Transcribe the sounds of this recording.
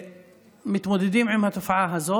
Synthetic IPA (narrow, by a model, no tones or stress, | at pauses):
mɪt̪mʊd̪ɪd̪iːmʕɪmhat̪ʊfʕaːɦazoː